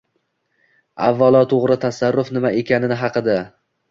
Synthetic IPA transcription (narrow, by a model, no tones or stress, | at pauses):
a̰vːalˠɒt̪ʰoʁɾɪt̪ʰasaɾːʊfnɪmaʔe̞kʲʰanɪnɪɦɑqɨd̪a